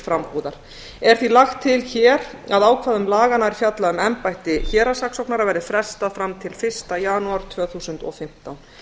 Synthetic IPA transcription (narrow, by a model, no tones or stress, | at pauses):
fɾamhuːðaɾ̥ | ɛɾ̥θilaxt̪ʰːɪlçɛːɾ | aðaːwkʰvaːðʏmlaːɣanaɾi̥fjat̪laʏmɛmpajht̪ɪçɛːɾasaksɔwknaɾavɛːɾɪðfɾɛst̪aðfɾamt̪ʰɪlfɪr̥st̪ajaːnuaɾ̥t̪ʰvœːθuːsʏnt̪ɔ̰fɪm̥t̪awn